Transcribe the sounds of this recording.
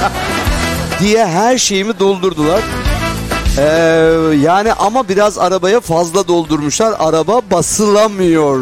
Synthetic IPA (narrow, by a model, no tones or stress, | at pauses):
d̪ijɛɦæɾʃe̞jimid̪o̞lˠd̪uɾd̪ulˠaɾ̥ | ɛjaːniʔamabiɾazaɾabajafazlˠad̪o̞lˠd̪uɾmuʃlˠaɾaɾababasɯlˠamɯjo̞ɾ